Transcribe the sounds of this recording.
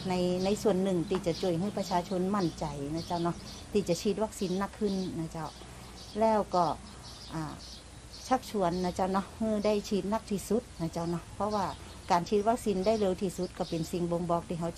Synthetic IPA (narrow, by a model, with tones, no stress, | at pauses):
na˧˥jna˧˥jsu˧ənːɯ˨˧˩ŋt̪ʰiː˧˩t͡ɕa˧˩t͡ɕu˧˩əjɦɯː˧˥˨pa˧t͡ɕʰaː˧t͡ɕʰo˧˥nma˧˥˩nt͡ɕa˨˩jna˧˩t͡ɕa˧˩wnɔ˧˩ | t̪ʰiː˧˩t͡ɕa˧˨t͡ɕʰiː˧t̪̚wa˧˥k̚si˧˥nːa˧˩kʰːɯ˧˥˨nna˧˩t͡ɕa˧˩w | lɛː˧˥˩wkɔː˧˩ | ʔaː˧˩ | t͡ɕʰa˧˥p̚t͡ɕʰu˧ənːa˧˩t͡ɕa˧˩wnɔ˧˩hɯː˧˥˨da˧˥˩jt͡ɕʰiː˧˩t̪̚na˧˩k̚t̪ʰiː˧˩su˧˥˦t̪̚na˧˩t͡ɕa˧˩wnɔ˧pʰɔ˧˥waː˧˩ | kaː˨nt͡ɕʰiː˧t̪̚wa˧˥k̚siː˧˥nda˧˥˨jle˧˨wt̪ʰiː˧su˧˦t̪̚ka˧˩pe˨nsi˧ŋbo˧ŋbɔː˧˥k̚t̪ʰiː˧˩ɦa˧w